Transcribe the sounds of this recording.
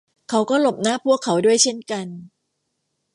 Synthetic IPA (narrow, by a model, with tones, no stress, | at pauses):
kʰa˦˥wkɔː˥˩lo˨˩p̚naː˦˥˨pʰu˥˩əkʰːa˦wdu˥˩əjt͡ɕʰe˥˩nka˧n